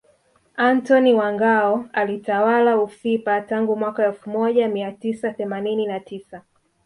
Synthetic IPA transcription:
antɔniwaŋɡaɔalitawalaufipataŋɡumwakaɛlfumɔʄamiatisaθɛmanininatʰisa

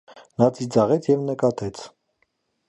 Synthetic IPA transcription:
nɑt͡sʰid͡zɑʁɛt͡sʰjɛvnəkɑt̪ɛt͡sʰ

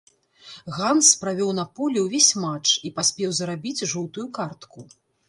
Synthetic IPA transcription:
ɣanspɾavʲɔwnɐpɔlʲɛwvʲesʲmat͡ʂipasʲpʲɛwzɐɾabʲid͡zʲʐuwt̪ujukart̪ku

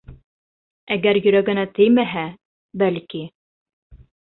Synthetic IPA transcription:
æɡæɾjɵ̆ɾæɡɘ̆næt̪ɘjmæɦæ | bælki

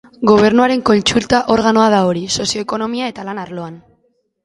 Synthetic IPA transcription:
ɡo̞β̞e̞ɾnuaɾe̞ŋko̞nt͡ʃult̪aʔo̞ɾɣano̞að̞ao̞ɾiso̞sio̞eko̞no̞miae̞t̪alanaɾlo̞an

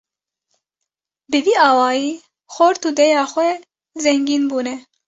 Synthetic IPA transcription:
bɨviːɑːwɑːjiː | xoɾt̪uːd̪ɛjɑːxwɛ | zɛŋɡiːnbuːnɛ

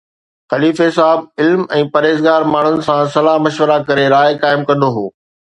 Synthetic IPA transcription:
xɐliːfesaːɪb̚ɪlmɛ̃ːpɐɾeːzɡaːɾmaːɳ̤ʊnɪ̆sãsɐlamɐʃwəɾakɐɾeɾaːjkaːɪmkɐ̃nd̪oɦoː

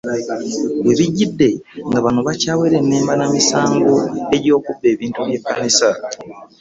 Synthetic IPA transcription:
weβiɟːidːe̞ŋɡaβanoβacaːwe̞ɾe̞nːeːmbanamisaːŋɡoe̞ɟo̞ːkubːe̞ːβiːntuβje̞kːanisa

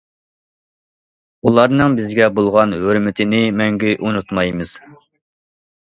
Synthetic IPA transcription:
ulˠɑɾnɨŋbɪzɡʲɛbolˠʁɑnhøɾmɪt̪ʰɪnɪmɛŋɡʲiʔunut̪mɑjmɨz̥

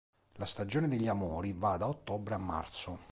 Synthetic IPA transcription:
last̪ad͡ʒɔːned̪eʎːiamɔːɾivad̪aot̪ːɔbɾeamːa̰rt̪sʊ

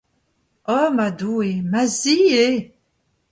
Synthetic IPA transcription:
ɔmad̪uemazie

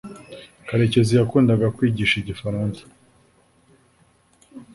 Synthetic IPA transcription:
kaɾe̞ce̞zijakuːndaɡakwiːɟiːʃiɟifaɾaːnse̥

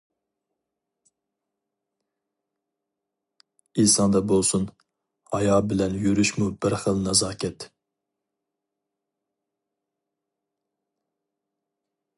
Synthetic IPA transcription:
isɑnd̪ɑbolˠsun | hɑjɑːbɪlɛnjyɾyʃmubɪɾχəlˠnɑzɑːkʲʰɛt̪

